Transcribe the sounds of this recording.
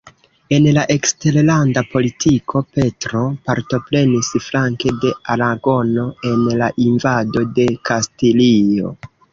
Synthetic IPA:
e̞nlaʔe̞kste̞ɾlandapo̞litʰikʰo̞pe̞tɾo̞paɾto̞pɾe̞nisflaŋke̞de̞aɾaɡo̞no̞e̞nlaʔinvado̞de̞kastilio̞̰

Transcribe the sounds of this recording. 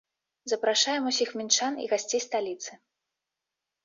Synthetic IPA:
zɐpɾaʂajɛmusʲixmʲint͡ʂanḭɣasʲt͡sʲejst̪alʲit̪sɨ

